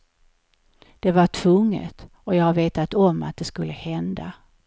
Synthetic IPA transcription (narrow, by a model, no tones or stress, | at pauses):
d̪̥ɛvaʈʰv̥ɵŋːə̰t̪ | ɔjɑːɡhaɾveːt̪at̪ɔmːa̰t̪̚d̪ɛskɵlːəhɛnd̪a